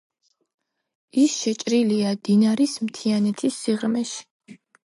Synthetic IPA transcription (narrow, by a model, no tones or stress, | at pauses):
isʃɛt͡ʃʼɾiliad̪̥inaɾismt̪ʰianɛt̪ʰisːiʁmɛʃi̥